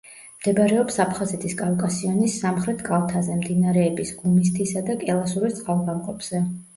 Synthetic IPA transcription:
md̪̥ɛbaɾɛɔpsapʰχazɛt̪ʰiskʼalˠkʼasianisːamχɾɛt̪ʰkʼalˠt̪ʰazɛmd̪inaɾɛːbisɡumist̪ʰisad̪akʼɛlˠasuɾist̪sʼqʼalˠɡamqʼɔpʰz̥ɛ

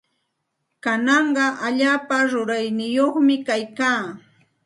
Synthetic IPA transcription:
kanɑɴɢɑʔaʎaːpaɾʊɾajnɪjoχmɪkajkaː

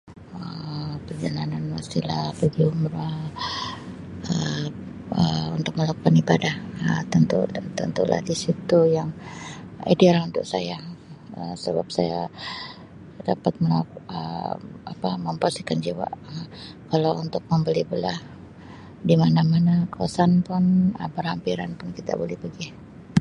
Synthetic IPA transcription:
əpərd͡ʒalananmasilahbəɡiʊmɾa | ə | əunt̪ʊk̚məlakukanibadahət̪ənt̪ṵt̪ənt̪ulʔa̰hdisit̪ujaŋ | ḭdealunt̪ʊk̚sajaə̰səba̰p̚saja̰ | da̰pat̪̚məlak̚ə̰a̰paməmpast̪i̥kand͡ʒiwa̰ʔəkalawunt̪ʊk̚məmbəlibəlah | dimanamanakəwasanpʊnəbərhampiɾanpʊnkit̪a̰bolɛhbəɡih

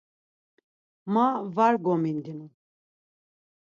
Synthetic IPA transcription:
mavaɾɡɔmind̪inu

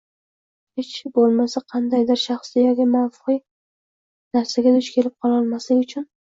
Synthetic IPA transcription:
het͡ʃbolˠmasaqʰɑnd̪ajd̪ɪɾʃaχslɪjɒɡʲɪmanfʊ̥qɨ | naɾsaɡʲad̪ʊt͡ʃkʲʰe̞lɪp̚qʰɒlˠɒlˠmaslɪɡʲʊt͡ʃʰʊn

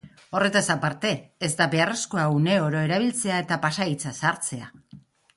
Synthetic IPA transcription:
o̞re̞t̪asapaɾt̪e̞ːzd̪abe̞are̞sko̞aune̞o̞ɾo̞e̞ɾaβ̞ilt͡se̞ae̞t̪apasait͡sasaɾt͡se̞a

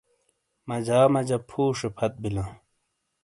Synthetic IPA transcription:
mɐd͡ʑaːmɐd͡ʑɐpʰuːʂepʰɐt̪̚bilã

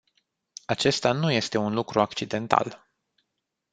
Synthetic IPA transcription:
at͡ʃe̞st̪anuje̞st̪e̞unlukɾuakt͡ʃid̪e̞nt̪a̰l

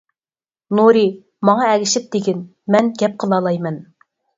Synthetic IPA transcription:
nuɾi | mɑŋɑɛɡʲɪʃɪp̚d̪ɪɡʲɪn | mɛnɡʲɛp̚qʰəlˠɑlˠɑjmɛn

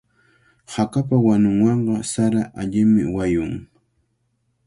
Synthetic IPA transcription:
hakap̬awanʊŋwɑɴɢɑsaɾaʔaʎɪmɪ̰wajʊŋ

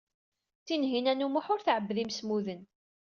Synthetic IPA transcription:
t̪ːinɦinænumʊħʊɾθʕəbːðimsmuðən

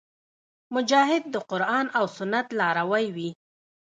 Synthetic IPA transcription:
mʊd͡ʒɑɦɪd̪̚ːəqʊɾɑnawsʊnat̪lɑɾawajwi

